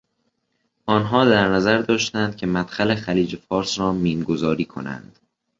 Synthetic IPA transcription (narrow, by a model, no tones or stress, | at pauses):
ʔɒːnɦɒːd̪æɾnæzæɾd̪ɒːʃt̪ænd̪̚cʲʰe̞mæt̪xæle̞xæliːd͡ʒe̞fɒːɾsɾɒːmiːmɡozɒːɾiːkʰo̞̰næ̰nd̪̥